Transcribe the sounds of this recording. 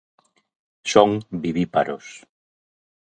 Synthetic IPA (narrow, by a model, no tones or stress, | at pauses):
soŋbiβipa̰ɾo̰s